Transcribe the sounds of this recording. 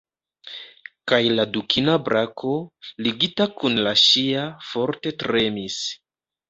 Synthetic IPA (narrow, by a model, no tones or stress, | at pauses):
kajladukʰinabɾakʰo̞liɡitakunlaʃiafo̞ɾte̞tɾe̞mis